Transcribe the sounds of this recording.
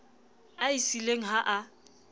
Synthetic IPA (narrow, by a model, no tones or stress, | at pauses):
aisileŋ̩ɦaʔa